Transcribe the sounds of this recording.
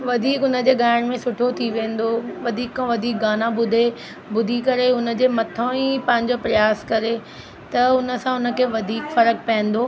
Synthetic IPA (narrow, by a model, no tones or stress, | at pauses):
ʋɐd̪ʱiːkʊnə̆d͡ʑeːɠaːɪɽ̃mẽsʊʈʰot̪ʰiʋẽːn̆d̪oʋɐd̪ʱiːkːãʋɐd̪ʱiːk̚ɡaːnãbʊd̪ʱe | bʊd̪ʱikɐɾeʊnə̆d͡ʑeːmɐt̪ʰõipɐ̃ɦɪ̃ɲd͡ʑopɾɐjaːskɐɾe | t̪ɐʊnə̆sãʊnə̆kʰeːʋɐd̪ʱiːkfɐɾək̚pɐɦə̃nd̪oː